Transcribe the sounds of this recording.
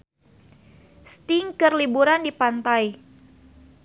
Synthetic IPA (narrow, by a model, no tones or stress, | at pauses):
st̪iŋkərlibuɾandipant̪aj